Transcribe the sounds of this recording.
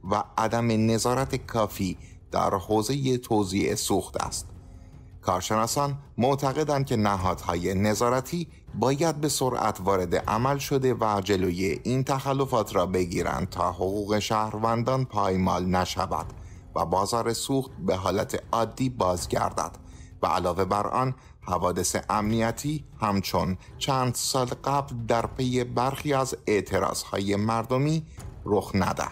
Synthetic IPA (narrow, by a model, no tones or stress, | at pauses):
væʔːd̪æme̞ne̞zɒːɾæt̪ʰe̞kʰɒːfiː | d̪̥æ̰ɾhoːze̞je̞t̪ʰoziʔesuːxt̪ʰæ̰st̪ | kʰɒːɾʃe̞nɒːsɒːnmoʔt̪ʰæɣe̞d̪ænd̪̚cʰe̞næɦɒːd̪̥hɒːje̞ne̞zɒːɾæt̪ʰiː | bɒːjæd̪̚be̞so̞ɾʔæ̰t̪ʰvɒːɾe̞d̪e̞̰ʔæ̰mælʃo̞d̪e̞væd͡ʒe̞loːjeʔiːnt̪ʰæxælːo̞fɒːt̪ʰɾɒːbe̞ɟiːɾæ̰nd̪̚t̪ʰɒːhoɣuːɣe̞ʃæhɾvænd̪ɒːnpʰɒːjmɒ̰ːlnæʃæ̰væ̰d̪̥ | væ̰bɒːzɒːɾe̞suːxt̪̚be̞ɦɒːlæt̪ʰe̞ɒːd̪ːiːbɒːzɟæ̰ɾd̪æ̰d̪̥ | væʔælɒːve̞bæɾʔɒ̰n | hævɒːd̪e̞se̞̰ʔæmnijæt̪ʰiːhæmt͡ʃʰo̞nt͡ʃʰænd̪sɒːlɢæbld̪æɾpʰe̞je̞bæɾxiːæze̞ʔt̪ʰe̞ɾɒ̰ːz̥hɒ̰ːje̞mæɾd̪o̞miːroxnæ̰d̪æ̰̥